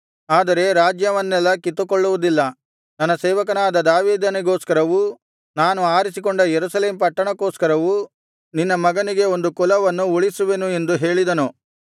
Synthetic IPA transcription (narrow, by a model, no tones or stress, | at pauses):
aːd̪ɐɾe̞ɾaːd͡ʒjɐʋɐnːɛlːɐkit̪ːukoɭːuʋud̪ilːɐ | nɐnːɐsɛːʋɐkɐnaːd̪ɐd̪aːʋiːd̪ɐniɡoːskɐɾɐʋu | naːnuaːɾisikoɳɖɐjeɾusɐleːmpɐʈːɐɳɐkoːskɐɾɐʋu | ninːɐmɐɡɐniɡe̞o̞nd̪ukɔlɐʋɐnːuuɭisuʋenue̞nd̪uɦe̞ːɭid̪ɐnu